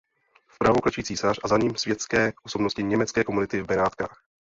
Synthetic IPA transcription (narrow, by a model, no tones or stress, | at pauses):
fpɾavoklat͡ʃujiːt͡siːsarazaɲiːmsvjɛt̪t͡skɛːʔoso̞bnoscɪɲɛmɛt͡skɛːko̞munɪt̪ɪbɛɾaːt̪kaːx